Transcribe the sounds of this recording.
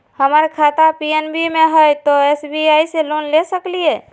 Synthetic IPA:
həməɾkʰat̪apienbimeɦəjt̪ɔesbiajselonlesəklije

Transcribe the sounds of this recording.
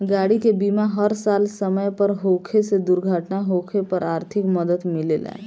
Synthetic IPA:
ɡaːɽikebiːmaɦəɾsaːlsəməjpəɾɦokʰesed̪uɾɡʱəʈnaɦokʰepəɾaːɾt̪ʰɪkməd̪əd̪mɪlela̰e

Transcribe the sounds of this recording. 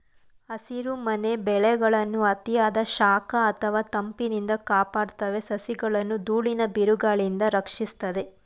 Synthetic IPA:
ɐsiɾumɐne̞bɛɭɛɡɐɭɐnːuɐt̪ijaːd̪ɐʃaːkɐːt̪ʰɐʋaːt̪ɐmpinind̪ɐkaːpaːɽt̪ɐʋe̞sɐsiɡɐɭɐnːud̪uːɭinɐbiɾuɡaːɭind̪ɐɾɐkʂist̪ɐd̪e̞

